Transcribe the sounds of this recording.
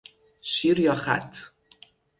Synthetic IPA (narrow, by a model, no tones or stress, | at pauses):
ʃiɾjɒːxæ̰t̪ʰ